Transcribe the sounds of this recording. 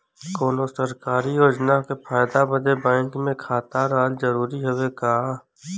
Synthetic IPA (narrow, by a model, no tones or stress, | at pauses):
koːnosəɾkaːɾijoːd͡ʒnakepʰaːjd̪abəd̪ebɛ̃ːŋkmẽkʰaːt̪aɾaːlzəɾuːɾiɦʊwekaː